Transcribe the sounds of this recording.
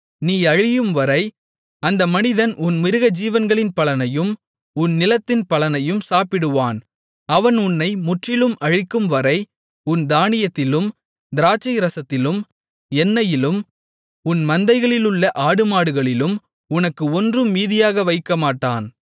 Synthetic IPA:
niːɐɻɪjɯmʋɐɾɐɪ | ɐnd̪ɐmɐnɪðɐnʊnmɪɾɯɣɐd͡ʒiːʋɐnɡɐɭɪnpɐlɐnɐjɯm | ʊnnɪlɐt̪ːɪnpɐlɐnɐjɯmsaːpɪɽɯʋaːn | ɐʋɐnʊnːɐɪmʊʈrɪlɯmʔɐɻɪkːɯmʋɐɾɐɪ | ʊnd̪aːnɪjɐt̪ːɪlɯm | d̪ɪɾaːt͡ʃːɐɪɾɐsɐt̪ːɪlɯm | ɛnːɐjɪlɯm | ʊnmɐnd̪ɐɪɣɐɭɪlɯɭːɐʔaːɽɯmaːɽɯɣɐɭɪlɯm | ʊnɐkːɯɔndrɯmːiːðɪjaːɣɐʋɐɪkːɐmaːʈːaːn

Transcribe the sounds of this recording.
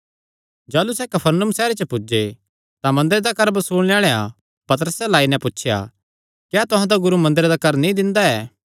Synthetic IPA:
d͡ʒaːlusɛkɐpʰəɾnʊmsɛːɾet͡ʃəpʊd͡ʒe | t̪amɐ̃nd̪əɾed̪akɐɾbsuːɽ̃ljaːɭea̰ | pɐt̪əɾəselaːinɛ̃pʊtːt͡ʃʰja̰ | kjɛːt̪ʊɦãd̪aɡʊɾumɐ̃nd̪əɾed̪akɐɾnĩd̪ɪ̃nd̪aɛː

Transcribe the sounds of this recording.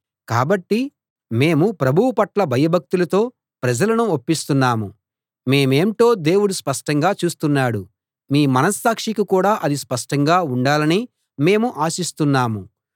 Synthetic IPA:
kaːbɐʈːi | me̞ːmupɾɐbʱuwupɐʈlɐbʱɐjɐbʱɐk̚t̪ulɐt̪o̞ː | pɾɐd͡ʒɐlɐnuopːist̪unːaːmu | me̞ːme̞ːmʈ̪o̞ːd̪e̞ːwuɽuspɐʂʈɐŋɡaːt͡ʃuːst̪unːaːɽu | miːmɐnɐsːaːkʂikukuːɽaːʔɐd̪ispɐʂʈɐŋɡaːuɳɖaːlɐni | me̞ːmuʔaːsist̪unːaːmu

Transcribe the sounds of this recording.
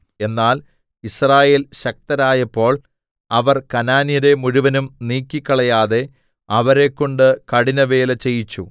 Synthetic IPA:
e̞nːaːl | israːje̞ːlɕɐk̚t̪ɐɾaːjɐpːo̞ːɭ | ɐʋɐrkɐnaːnjɐɾe̞muɻuʋɐnumniːkʲːikʲːɐɭɐjaːðe̞ | ɐʋɐɾe̞kːoɳɖɨkɐɽinɐʋe̞ːlɐt͡ɕe̞jit͡ɕːu

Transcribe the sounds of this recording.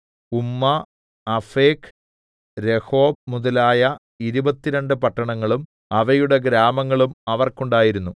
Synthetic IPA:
umːɐː | feːk | ɾe̞ho̞ːb̚muðɐlaːjɐ | iɾubɐt̪ːiɾɐɳɖɨpɐʈːɐɳɐŋːɐɭum | ɐʋɐjuɽe̞ɡɾaːmɐŋːɐɭumɐʋɐrkuɳɖaːjiɾunːu

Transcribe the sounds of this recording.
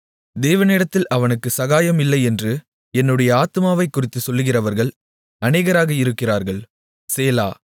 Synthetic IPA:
d̪eːʋɐneːɽɐt̪ːɪlʔɐʋɐnɯkːɯsɐɣaːjɐmɪlːɐɪɛndrɯ | ɛnːɯɽɐjɐaːt̪ɯmaːʋɐɪkːʊrɪt̪ːɯsɔlːɯɣɪrɐʋɐɾɣɐɭ | ɐneːɣɐɾaːɣɐɪɾɯkːɪraːɾɣɐɭ | seːla̰ː

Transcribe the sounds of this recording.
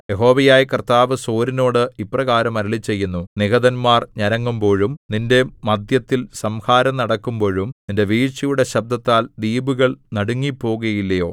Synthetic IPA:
jeɦo̞ːʋɐjaːjkɐrt̪aːʋɨso̞ːɾino̞ːɽɨiprɐɣaːɾɐmɐɾiɭit͡ɕːe̞jːunːuniɡɐðɐnmaːrɲɐɾɐŋːumbo̞ːɻumninde̞mɐd̪jɐt̪ːjilsɐmhaːɾɐmnɐɽɐkːumbo̞ːɻumninde̞ʋiːt͡ɕijuɽe̞ɕɐb̚d̪ɐt̪ːaːld̪iːbuɣɐɭnɐɽuŋːipːo̞ːɣɐjilːɐjo̞ː

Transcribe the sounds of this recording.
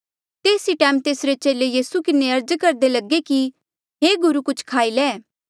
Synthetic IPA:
t̪eːsiʈɛːmt̪eːsɾet͡ʃeːlejiːsukɪneɐɾd͡ʒkɐɾd̪elɐɡeki | ɦeːɡʊɾukʊt͡ʃʰkʰaːilɛː

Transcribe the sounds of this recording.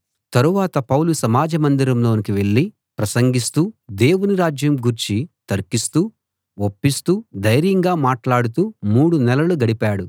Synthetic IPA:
t̪ɐɾuʋaːt̪ɐpɐwlusɐmaːd͡ʒɐmɐnd̪iɾɐmlo̞ːnikiʋe̞ɭːi | pɾɐsɐŋɡist̪uːd̪e̞ːwuniɾaːd͡ʒjɐmɡuɾt͡ʃit̪ɐɾkist̪uː | opːist̪uːd̪ɐjɾjɐŋɡaːmaːʈlaːɽut̪uːmuːɽunɛlɐluɡɐɽipaːɽu

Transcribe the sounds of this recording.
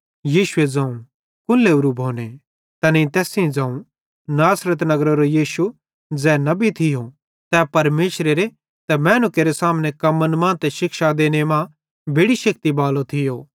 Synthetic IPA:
jiːʃʊed͡zãːũ | kʊnleʊɾubʱoːne | t̪ɐnet̪ɛːsĩd͡zãːũ | naːsɾət̪̬nɐɡɾoɾojiːʃu | d͡zɛːnɐbit̪ʰɪjo | t̪ɛpɐɾmeːʃɾeɾe | t̪ɛmɛːnʊkeɾesaːmnekɐmənmãːt̪ɛʃɪkʃad̪eːñemã | bʱeːɽiʃɐk̚t̪ibaːlot̪ʰɪjoː

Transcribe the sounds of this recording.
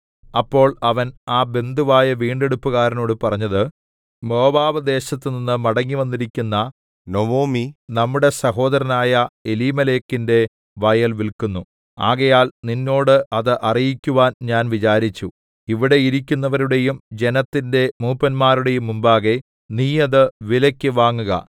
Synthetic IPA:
ɐpːo̞ːɭɐʋɐnaːbe̞nd̪uʋaːjɐʋiːɳɖe̞ɽupːuɣaːɾɐno̞ːɽɨpɐrɐɲːɐðɨ | mo̞ːbaːʋɐd̪e̞ːɕɐt̪ːɨninːɨmɐɽɐŋːiʋɐnːiɾikʲːunːɐ | nomoːminɐmːuɽe̞sɐɦo̞ːd̪ɐɾɐnaːjɐeliːmɐle̞ːkːinde̞ | ʋɐjɐlʋilkunːu | a̰ːɣɐjaːlninːo̞ːɽɨʔɐðɨʔɐrijikʲːuʋaːnɲaːnʋit͡ɕaːɾit͡ɕːu | iʋiɽe̞iɾikʲːunːɐʋɐɾuɽe̞jumd͡ʑe̞nɐt̪ːinde̞muːpːɐnmaːɾuɽe̞jumːumbaːɣe | niːɐðɨʋilɐkʲːɨʋaːŋːuɣɐ̰

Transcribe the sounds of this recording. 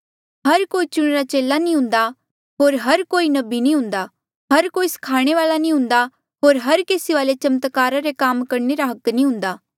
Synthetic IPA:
ɦɐɾkoːit͡ʃʊɽ̃eɾat͡ʃeːlːanĩɦʊ̃nd̪a | ɦoːɾɦɐɾkoːinɐbinĩɦʊ̃nd̪a | ɦɐɾkoːiskʰaːɽ̃eʋaːlanĩɦʊ̃nd̪a | ɦoːɾɦɐɾkeːsiʋaːlet͡ʃɐmt̪kaːɾaɾekaːmkɐɾneɾaɦɐknĩɦʊ̃ːnd̪aː

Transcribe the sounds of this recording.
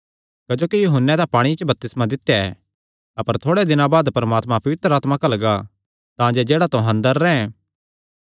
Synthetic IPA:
kɐd͡ʒoːkijuːɦənːɛd̪apaːɽ̃it͡ʃəbɐp̚t̪ɪsmãd̪ɪt̪jaɛ̰ | ɐpəɾt̪ʰoːɽɛd̪ɪnãbaːd̪pɐɾɐmaːt̪mãpɐʋɪt̪ɾəaːt̪makɐlɐɡa | t̪ãːd͡ʒed͡ʒeːɽat̪õɦɐ̃nd̪əɾːɛ̃ɛ̃

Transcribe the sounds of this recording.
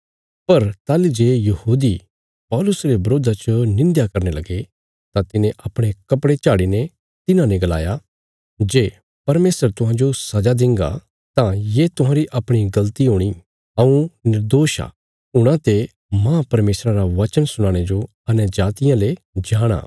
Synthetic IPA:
pɐɾt̪aːlid͡ʒeːjɐhuːd̪i | pɔːlʊsɾebɐɾoːd̪ʱat͡ʃənɪ̃nd̪jakɐɾnelɐɡe | t̪ãt̪ɪnẽʔɐpɽ̃ekɐpɽet͡ʃaːɽinɛ̃ | t̪ɪnãnɛ̃ɡɐla̰ːja | d͡ʒeː | pɐɾmeːsəɾt̪ʊɦãːd͡ʒosɐd͡ʒad̪ɪ̃ŋɡa̰ | t̪ãjet̪ʊɦãːɾiʔɐpɽ̃iɡɐlt̪iɦoːɽ̃i | ɐũnɪɾd̪oːʃa̰ | ʊɽ̃ãt̪e | mãːpɐɾmeːsɾaɾaʋɐt͡ʃənsʊɽ̃aːɽ̃ed͡ʒo | ɐnəd͡ʒaːt̪ɪjãle | d͡ʒaːɽ̃a̰ː

